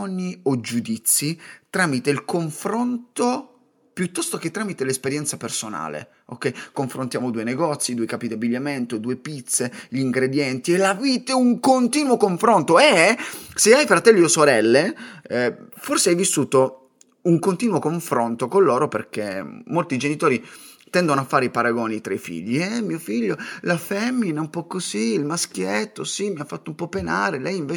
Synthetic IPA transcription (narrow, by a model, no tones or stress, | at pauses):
niod͡ʒud̪it̪sːit̪ɾaːmit̪eilkoɱfɾont̪o | pjut̪ːɔst̪ok̟et̪ːɾaːmit̪elespeɾjɛnt̪sapersona̰ːlḛ | o̰kːɛjkoɱfɾont̪jaːmod̪uːeneɡɔt̪sːid̪uːejkaːpid̪abːiʎːament̪od̪uːepit̪seʎiŋɡɾed̪jɛnt̪ielaviːt̪euŋkont̪iːnwokoɱfɾont̪oɛɛseajfɾat̪ɛlːiosoɾɛlːe | forseajvisːuːt̪o | uŋkont̪iːnwokoɱfɾont̪okolːoːɾoperk̟emːolt̪iːd͡ʒenit̪oːɾit̪ɛnd̪onoafːaːɾeipaɾaɡɔːnit̪ɾaifḭʎːiɛmːiːofiʎːolafɛmːinaumpɔkːoziilmask̟jet̪ːosimiafːat̪ːoumpɔpːenaːɾelɛjiɱveː